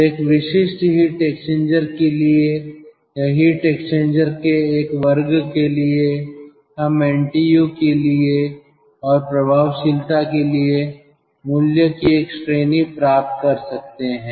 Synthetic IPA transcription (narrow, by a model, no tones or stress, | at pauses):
eːkʋɪʃɪʃʈɦiʈeːksʈẽːɲd͡ʒəɾkelie | jɐɦiʈeːkst͡ʃẽːɲd͡ʒəɾkeeːkʋɐɾɡkelie | ɦɐmɛ̃ːɳʈijukelie | ɔːɾpɾɐbʱaːʋʃɪlt̪akelie | mʊljəkieːksʈɾeːnipɾaːp̚t̪̚kɐɾsɐk̚t̪eɦɛ̃ː